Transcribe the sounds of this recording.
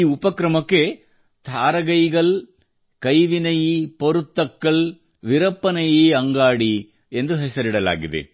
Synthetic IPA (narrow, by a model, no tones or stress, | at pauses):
iːʊpɐkɾɐmɐkːe | t̪ʰaːɾɐɣɐɪɣɐɭ | kɐjʋɪnɐjipɔɾɯt̪ːɐkːɐɭ | ʋɪɾɐpːɐnɐjeːɐŋɡaːɽi | end̪ɯɦɛsɐɾɪɽɐla̰ːɡɪðḛ